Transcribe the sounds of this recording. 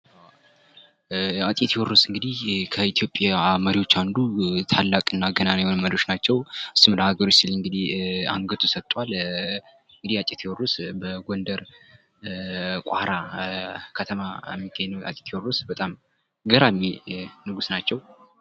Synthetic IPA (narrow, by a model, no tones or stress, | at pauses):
aw | at̪ʼit̪ʰiwoɾusɨŋɡɨd̪ihkʰəit̪ʰijo̞pʼjaməɾiwo̞t͡ʃːand̪ut̪ʰalːakʼɨnːaɡənanjhonmːəd̪o̞ʃnat͡ʃːɛwɨsːumləhaɡəɾot͡ʃsilɨŋɡɨd̪iha̰ŋɡət̪ʰusət̪ʼːwal | ɨŋɡɨd̪ihat͡ʃʼɪt̪ʰiwɔrusbəɡond̪əɾ | kʷʼa̰ɾa | kʰət̪ʰəmaɛmːiɡəɲːnwa̰t̪ʼi̥t̪ʰjworːusbət̪ʼam | ɡəɾamːinɨɡusnat͡ʃːɛw